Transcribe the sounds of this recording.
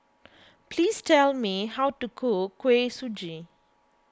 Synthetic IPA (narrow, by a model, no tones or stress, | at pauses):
pʰlistʰɛlmiɦawtukʰokʰwesud͡ʒi